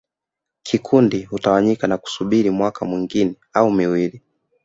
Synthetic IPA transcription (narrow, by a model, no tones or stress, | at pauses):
kʰikʰundihutawaɲikanaku̥suɓiɾimwakamwiŋɡinɛaumiwili